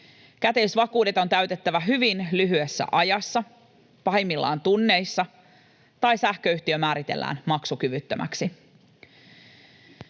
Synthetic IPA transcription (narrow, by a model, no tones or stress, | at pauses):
kæt̪e̞isʋɑkuːde̞t̪o̞nt̪æɥt̪e̞t̪ːæʋæɦyʋinlyɦyesːæ̰ʔɑjɑsːɑ | pɑhemːilːɑ̰ːnt̪unːe̞jsːɑ | t̪ɑjsæhkø̞yht̪iømæːɾit̪e̞̰lːæ̰ːnmɑksukyʋyt̪ːømʔæ̰ksi